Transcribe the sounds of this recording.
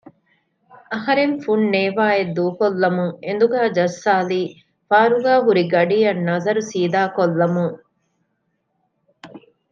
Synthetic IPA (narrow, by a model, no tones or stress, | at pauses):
ɐɦɐɾeɱfunneːʋaːed̪uːkolːɐmuŋend̪uɡæːd͡ʒɐsːaːliː | faːɾuɡaːɦuɾiɡɐɖijɐnːɐzɐɾusiːd̪aːkolːɐmuŋ